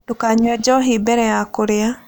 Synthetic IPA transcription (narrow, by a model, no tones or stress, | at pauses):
dokaɲwɛd͡ʒɔɦibɛɾɛjakoɾea